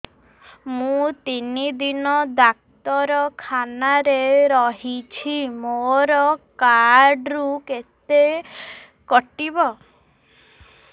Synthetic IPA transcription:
mũt̪inid̪inɔd̪ak̚t̪ɔɾɔkʰanaɾeɾɔɦit͡ʃʰimoɾɔkaɾɖɾuket̪e | kɔʈibɔ

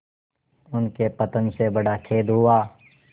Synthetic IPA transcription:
ʊnkepət̪ə̃nsebəɽakʰeːd̪ɦʊaː

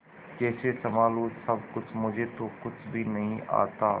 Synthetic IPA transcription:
kɛːsesəmaːluːsɐb̚kʊt͡ʃʰmʊd͡ʒʱet̪okʊt͡ʃʰbʱiːnɐɦĩʔa̰ːt̪a̰ː

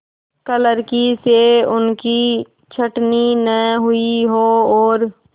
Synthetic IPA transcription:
kələɾkiseʊnki | t͡ʃʰəʈninəɦʊiɦoɔːɾ

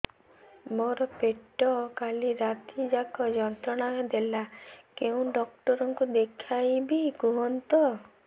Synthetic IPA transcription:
mɔɾɔpeʈɔkaliɾat̪id͡ʒakɔd͡ʒɔnt̪ɾɔɽ̃aɔd̪elakeũɖɔkʈɔɾɔŋkud̪ekʰajbiɡuɦɔnt̪ɔ

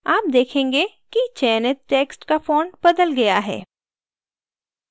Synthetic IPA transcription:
aːp̚d̪eːkʰẽːŋɡe | kit͡ʃɛːnət̪ʈeːksʈkafoːnbɐd̪əlɡɐjaɦɛ̰ː

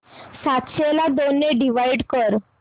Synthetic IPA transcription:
sat̪selad̪onːeɖiʋaiɖkəɾ

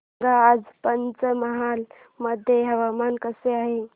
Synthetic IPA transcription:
ɡaːd͡ʒpənt͡ʃəməɦal | məd̪ʱjeɦəʋamankəseaːɦe

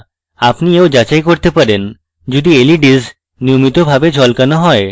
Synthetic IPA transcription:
apnieod͡ʑat͡ɕajkoɾt̪epaɾen | d͡ʑod̪ieliɖiz | niomit̪obʱabed͡ʑʱɔlkanoɦɔe

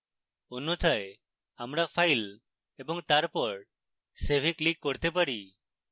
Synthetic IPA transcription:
onːot̪ʰae | amɾapʰajl | ebɔŋt̪aɾpɔɾ | sebʱiklikːɔɾt̪ep̬aɾi

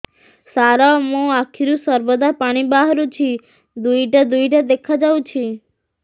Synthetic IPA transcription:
saɾamũakʰiɾũsəɾbəd̪apaɽ̃ibaɦɾũt͡ʃʰi | d̪uiʈad̪uiʈad̪ekʰad͡ʒaʋũt͡ʃʰi

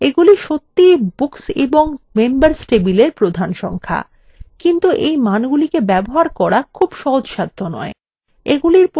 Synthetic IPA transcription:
eɡuliʃot̪ːibuksḛboŋmembaɾsʈebileɾpɾod̪ʱanʃɔ̰ŋkʰa̰ | kint̪uʔejmanɡulikebɛboɦaɾkɔɾakʰubʃɔɦod͡ʑʃad̪ʱːonɔ̰e | eɡuliɾp

